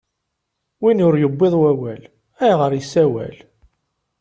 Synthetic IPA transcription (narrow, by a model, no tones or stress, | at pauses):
winʊɾjəbːeðˤwæwæl | æjʁəɾjəsːæwæ̰l